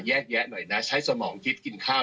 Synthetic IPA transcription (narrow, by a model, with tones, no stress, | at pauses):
jɛː˥˩k̚jɛ˦˥nɔ˨˩jna˦˥t͡ɕʰa˦˥jsa˧mɔː˩˦ŋt̪ʰi˦˥t̪̚ki˧nkʰaː˥˩